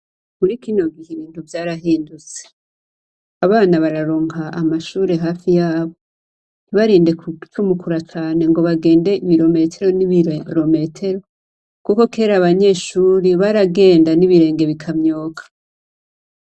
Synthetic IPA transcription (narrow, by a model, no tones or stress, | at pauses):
muɾikino̞ɡiheβiːnhuvjaːɾaɦiːndut͡se̥ | aβaːnaβaɾaɾo̞ːŋhaamaʃuːɾe̞ɦaːfijaːβo | niβaɾiːnde̞kt͡ʃumukuɾat͡ʃaːne̞ŋɡo̞βaɡe̞ːnde̞iβiɾo̞me̞tʰe̞ɾo̞niβɾo̞me̞tʰe̞ɾo̞ | kuko̞ke̞ːɾaβaɲe̞ʃuːɾiβaɾaɡe̞ːndaniβiɾe̞ːŋɡe̞βikʰamɲo̞ːkʰḁ